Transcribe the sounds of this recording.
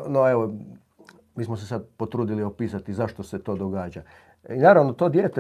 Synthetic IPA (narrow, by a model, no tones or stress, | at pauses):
noeʋo | miːsmos̬esad̪̚pot̪ɾuːd̪iliopiːsat̪izaʃt̪ose̞t̪o̞ːd̪oɡaːd͡ʑa | inaːɾaʋno̞t̪o̞ːd̪jeːt̪e